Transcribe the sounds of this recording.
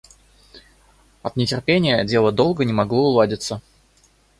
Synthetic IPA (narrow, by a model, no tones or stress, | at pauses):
ɐt̪nʲɪtʲɪrpʲenʲɪjədʲe̞lˠəd̪o̞lˠɡənʲɪmɐɡlˠoʊlˠadʲɪt̪sə